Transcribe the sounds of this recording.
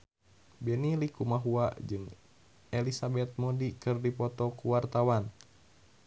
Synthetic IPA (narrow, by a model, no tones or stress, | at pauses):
bɛnilikumaɦuad͡ʒɨŋ | ɛlisabɛt̪̚mɔdikɨrdipɔt̪ɔkuwart̪awan